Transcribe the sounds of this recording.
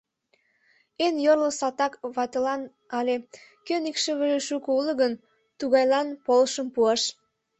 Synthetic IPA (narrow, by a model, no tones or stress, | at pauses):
enjorlosɑt̪ɑkβɑt̪elɑn | ɑlʲekønikʃəβəʒeʃukouləɣən | t̪uɣɑjlɑnpolʃəmpuɑʃ